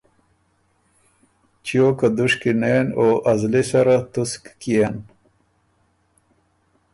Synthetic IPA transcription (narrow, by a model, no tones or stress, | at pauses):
t͡ɕijokad̪uʂkinenoːʔɐzlesaɾat̪uskkian